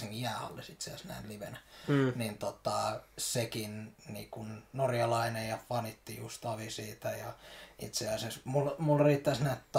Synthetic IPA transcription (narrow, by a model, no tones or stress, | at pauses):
siŋkijjæːhɑ̰lːesit̪seɑ̰snæ̰inliʋenænint̪ot̪ɑsekinnḭːkunnorjɑlɑinejjɑfɑnit̪ːijust̪ɑʋisiːt̪æjɑḭt̪seɑsesmulmulriːt̪ːæsnæit̪t̪